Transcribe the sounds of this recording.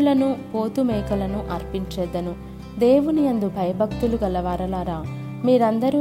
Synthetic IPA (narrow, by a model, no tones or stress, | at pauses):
lɐnupo̞ːt̪umɛːkɐlɐnuʔɐɾpiɲt͡ʃɛːd̪ːɐnu | d̪e̞ːʋuniɐnd̪ubʱɐjɐbʱɐkt̪uluɡɐlɐʋaːɾɐlaːɾaː | miːɾɐnd̪ɐɾi